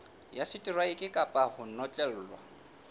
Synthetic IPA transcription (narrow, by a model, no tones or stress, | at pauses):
jasɪtʼirwaɪkʼɪkʼapʼahʊn̩nɔt͡ɬʼɛl̩ːlwa̰